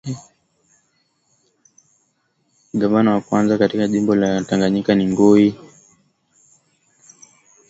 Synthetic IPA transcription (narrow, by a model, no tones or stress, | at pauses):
ɡavanawakwanzakatikaʄimbɔlataŋɡaɲikaniŋɡui